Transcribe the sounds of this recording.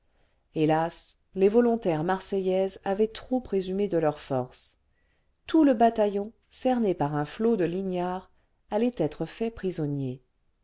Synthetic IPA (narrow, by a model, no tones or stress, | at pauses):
elas | levɔlɔ̃t̪ɛʁmaʁsɛjɛzavɛt̪χopχezymed̪əlœʁfɔʁs | t̪uləbat̪ajɔ̃ | sɛʁnepaʁɛ̃flod̪əlinjaʁ | alɛt̪ɛt̪χəfɛpχizɔnje